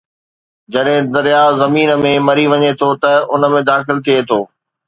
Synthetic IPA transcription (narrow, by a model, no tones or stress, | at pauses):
d͡ʑɐɗɦɪ̃d̪ɐɾjaːzɐmiːnə̆mẽmɐɾiʋɐɲet̪ʰot̪ɐʊnəmẽd̪aːxɪlt̪ʰiet̪ʰoː